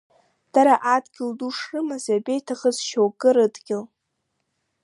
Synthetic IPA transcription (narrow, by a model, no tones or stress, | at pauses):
d̥aɾaʔadɡʲɪlduʂrɨmazabe̞jtʰaχəzʃowɡʼɨɾɨdɡʲɪl